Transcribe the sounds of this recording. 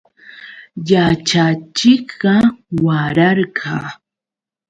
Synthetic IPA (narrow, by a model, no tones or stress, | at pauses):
jat͡ʃat͡ʃɪkɢɑwaɾɑɾɢʰɑ